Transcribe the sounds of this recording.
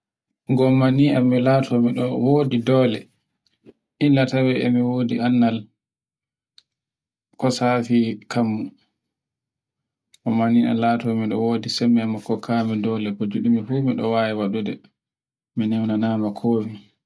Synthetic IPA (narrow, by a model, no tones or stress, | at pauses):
ɡɔmːaniʔamːilatʰɔmiɗɔwoːdidɔːlɛ | ʔilːatawɛɛ̰miwoːdianːal | kɔsaːfikʰamːu | ɡɔmania̰latɔmiɗɔ̰woːdisɛmːɛmakːɔkʰamɛdɔːlɛkɔd͡ʒuɗimifumiɗɔ̰waːjɛwaɗudɛ̰ | minɛwnanaːmakʰoːwi